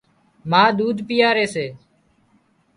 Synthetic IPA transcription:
maːd̪uːd̪ʱpɪjaːɾeːseː

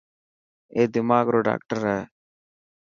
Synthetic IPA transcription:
eːd̪ɪmaːɡɾoːɖa̰ːk̚ʈəɾɛː

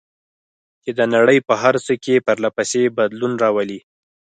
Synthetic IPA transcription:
t͡ʃed̪ənaɽəjpəɦaɾsəkepəɾlapasebad̪lunɾɑwəli

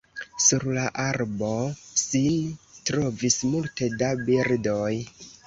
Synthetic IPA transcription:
suɾlaʔaɾbo̞sintɾo̞vismulte̞dabiɾdo̞j

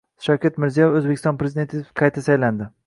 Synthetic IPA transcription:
ʃawkʲet̪mɪɾzijɒjefɵzbekʲɪ̥st̪ɒnpɾezid̪e̞nt̪ʰɪqʰɑjt̪ʰasajland̪ɪ

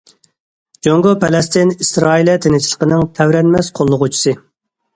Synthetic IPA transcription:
d͡ʒoŋɡopʰɛlɛst̪ɪnisɾɑːilɛt̪ʰenɪt͡ʃʰilˠəqənɨŋt̪ʰɛwɾɛnmɛsqʰolˠːʊʁut͡ʃʰi̥sɨ

